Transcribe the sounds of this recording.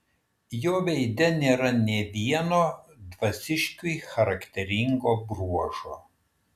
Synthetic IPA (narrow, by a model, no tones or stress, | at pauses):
joːʋʲɛɪd̪ʲɛnʲeːɾɐnʲɛʋʲiɛnoːd̪ʋɐsʲɪʃʲkʲujɪxɐɾɐkt̪ʲɛɾʲɪŋɡoːbɾuɔʒoː